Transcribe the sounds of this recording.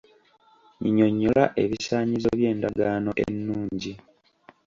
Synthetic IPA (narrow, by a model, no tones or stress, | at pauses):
ɲiɲoɲːolaʔe̞βisaːɲizo̞βje̞ːndaɡaːno̞ʔḛnːuːɲɟi